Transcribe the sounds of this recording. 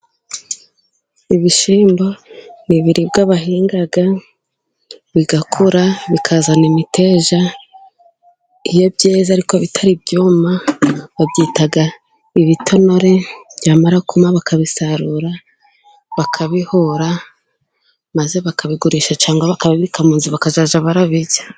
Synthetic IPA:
iβiʃiːmbo̞niβiɾibɡaβaɦiːŋɡaɡa | βiɡakʰoɾaβikʰazanimiteːʒa | ijo̞bɟeːzaɾikoβitʰaɾibɟuːmaβabɟiːtaɡa | iβitʰo̞no̞ɾe̞βɟaːmaɾakumaβakaβisaɾuɾa | βakʰaβihoɾa | maze̞βakaβiɡuɾiʃat͡ʃaːŋɡaβakaβaβiikamuːnziβakaʒaːʒaβaɾaβiɟḁ

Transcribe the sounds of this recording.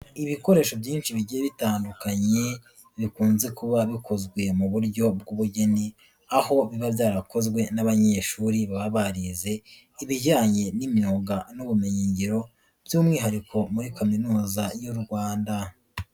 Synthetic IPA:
iβiko̞ɾe̞ːʃo̞bjiːnʃiβiɟijeβitaːndukaɲe̞ | βikuːnze̞kuβaβikʰozɡwe̞muβuɾɟo̞bɡuβuɟe̞ni | aho̞βiβavjaːɾako̞zɡwe̞naβaɲeʃuːɾiβaβaβaɾize̞ | iβiɟaːɲe̞nimjoːɡanuβumeɲiːɲɟiɾo̞ | v̥juːmŋiːɦaɾikʰo̞muɾikaminuːzajuɾɡwaːnda

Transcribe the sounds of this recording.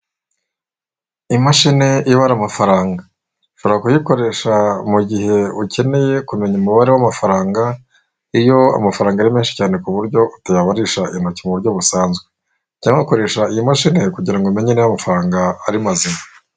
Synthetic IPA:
imaʃine̞ʔiβaɾamafaɾaːŋɡa | ʃuɾakakujiko̞ɾe̞ʃamuɟihe̞uce̞ne̞je̞kume̞ɲuumuβaɾewamafaɾaːŋɡa | ijo̞a̰mafaɾaːŋɡaɾimeːnʃi̥caːne̞kuβuɾɟo̞utajaβaɾiʃaʔinocimuβuɾɟo̞βusaːnzɡwe | caːŋako̞ɾe̞ːʃaijimaʃine̞kuɟiɾaŋɡome̞ɲenejamafaɾaːŋɡaːɾimazima

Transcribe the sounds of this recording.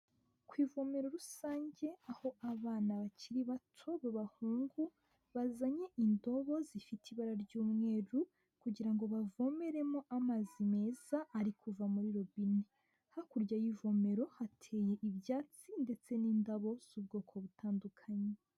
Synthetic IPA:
kwiːvo̞me̞ɾo̞ɾusaːɲɟe̞aho̞aβaːnaβaciɾiβatʰo̞βaβahuːŋɡu | βazaɲe̞ʔindo̞βo̞zifitʰiβaɾaɾɟuːmŋe̞ːɾu | kuɟiɾaŋɡo̞βavo̞me̞ɾe̞mo̞ʔamazime̞zaʔːɾikuvamuɾiɾo̞βine | hakuɾɟajivo̞me̞ɾo̞hatʰe̞ːje̞ʔiβjaːt͡sinde̞t͡se̞niːndaβo̞z̥ubɡo̞ːkʰo̞βutʰaːndukʰaɲe

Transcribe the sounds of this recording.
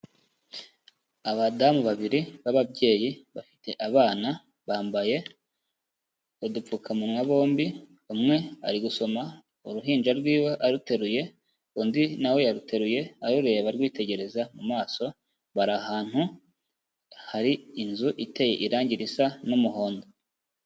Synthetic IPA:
aβadamuβaβiɾiβaβabɟe̞ːjiβafi̥te̞ʔaβaːna | βaːmbaje̞ | odup͡fukʰamunwaβo̞ːmbi | umŋe̞a̰ɾiɡuso̞ma | oɾuɦiːnd͡ʒaɾɡwiːwe̞ʔaɾute̞ɾuje̞ | ondinawe̞jaɾutʰe̞ɾuje̞aɾuɾejaβaɾɡwiːte̞ɟe̞ɾe̞zamumaːso̞ | βaɾahaːn̥hu | haɾiinzuʔite̞je̞̰ʔiɾaːɲɟiɾisanomuho̞ːndo

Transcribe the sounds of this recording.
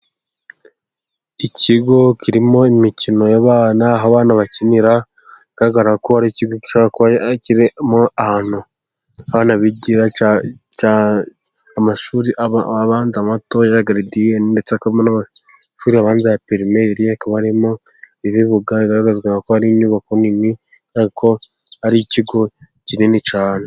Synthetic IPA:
iciɡo̞ciɾimo̞imicino̞jaβaːnaɦaβaːnaβaciniɾa | ɡ̥aɾaɡaɾaɡakohaɾiciɡo̞ki̥ʃoβaakoaciɾimoahaːn̥hu | aβaːnaβiɟiɾat͡ʃa | amaʃuːɾiʔβaβaːnzamatojaɾaɡaɾidijeninde̞t͡seakaβimonaβa | ʃuːɾiaβaːnzajapiɾimeɾiakaβaaɾimo̞ | iβiβuɡaiɡaɾaɡazɡaŋɡakohaɾiɲuːβako̞nimi | ɡ̥aɾaɡakʰo̞ | haɾiciɡo̞ | cininit͡ʃaːne

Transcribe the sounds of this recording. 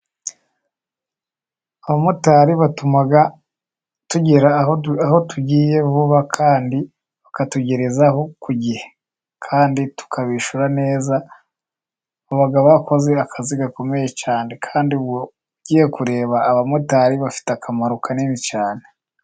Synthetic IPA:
aβamutaɾiβatumaɡa | tuɟiɾaaho̞tuɟiːje̞βuβakʰaːndi | βakatuɟeɾezaho̞kuɟihe̥ | kʰaːnditu̥kʰaβiʃuɾane̞ːza | βoβaɡaβako̞ze̞akʰaziɡako̞me̞je̞t͡ʃaːnekʰaːndiuβwo | ɟiːje̞kuɾe̞ːβaːβamutaɾiβafi̥teakʰamaɾokʰanimit͡ʃaːne

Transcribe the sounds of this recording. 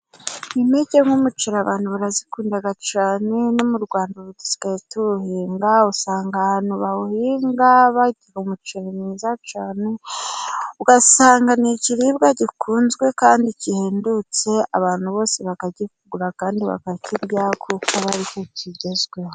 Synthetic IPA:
imeɟeŋumut͡ʃiɾaβaːn̥huβaɾazikuːndaɡat͡ʃaːne̞no̞muɾɡwaːndaɾuti̥zi̥kaituɾuhiːŋɡausaːŋɡahaːnuβahuhiːŋɡaβaiteɡamut͡ʃiɾamiːzat͡ʃaːne̞ | uɡasaːŋɡaniciɾiːbɡaɟikʰuːnzɡwe̞kaːndiciheːndut͡se̞a̰βaːn̥huβo̞ːseβakaɟifuɡuɾakaːndiβa̰kaciɾjakʰukaβaɾikociɟezɡweho

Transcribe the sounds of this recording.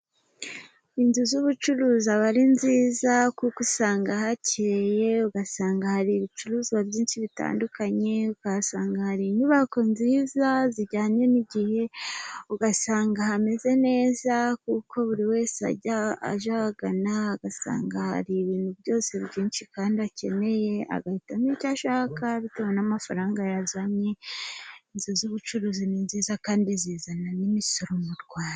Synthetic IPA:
inzuzuβut͡ʃuɾuːzaβaɾinziːzakukusaːŋɡahaciɾeje̞uɡasaːŋɡahaɾiːβit͡ʃuɾuːziwabɟiːnʃiβita̰ːndukaɲe̞ukasaːŋɡahaɾinuβakonziːzaziɟaːɲe̞niɟihe̞uɡasaːŋɡahame̞ze̞ne̞ːzakukʰo̞βuɾiwe̞ːsea̰ɟaa̰ʒahaɡanaːɡasa̰ːŋɡaha̰ɾiβiːnhuβjo̞ːse̞βɟiːnʃikaːndiace̞ne̞je̞a̰ɡahitamicaʃaːkaβitewanamafaɾaːŋɡajazaɲɲe | inzozuβut͡ʃuɾuzininziːzakaːndiziːzananimisoɾomuɾɡwaːɾa

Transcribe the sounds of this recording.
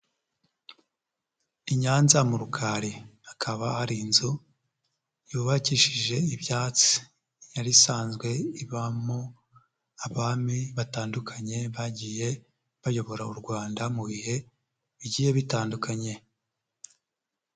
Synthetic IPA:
iɲaːnzamuɾukʰaːɾihakʰaβahaɾiːnzu | juːβaciʃiʒe̞iβjaːt͡si̥ | jaɾisaːnzɡwe̞iβamo | aβaːmiβataːndukʰaɲe̞βaɟije̞ | βajo̞βo̞ɾauɾɡwaːndamuβihe̞ | βiɟiːje̞βitaːndukʰaɲe̞

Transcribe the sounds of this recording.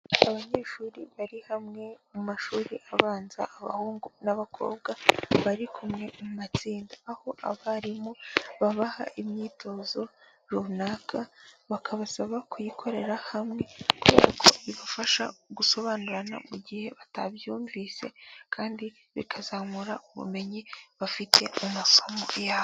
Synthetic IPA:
aβaɲe̞ːʃuːɾiβaɾihamŋe̞mumaʃuːɾiʔaβaːnza̰ːβa̰huːŋɡunaβakʰo̞̰ːb̚ɡaβaɾikʰumŋe̞mumat͡siːndaaho̞ʔa̰βaɾimoβaβaha̰ʔimɲiːtʰo̞zo̞ | ɾunaːkʰaβakʰaβasaβakujikʰo̞ɾe̞ɾahamŋe̞kuβe̞̰ːɾakʰo̞̰βiβafaʃa̰ɡuso̞βaːnuɾana̰muɟihe̞βatabjuːɱvise̞̰kʰaːndi | βḭkʰazaːmuɾauβṵme̞ɲiβafitʰe̞umaso̞mo̞̰jaːβo

